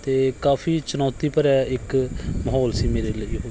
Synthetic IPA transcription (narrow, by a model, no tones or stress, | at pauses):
t̪eːkaːfʰiːt͡ʃʊnɔːt̪iːpəɾɛːɪkməɦɔːlsiːmeːɾeːləiːɦoː